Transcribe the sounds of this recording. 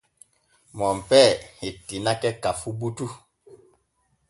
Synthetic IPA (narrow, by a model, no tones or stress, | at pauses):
mɔm̩pɛhetinakɛkafubutu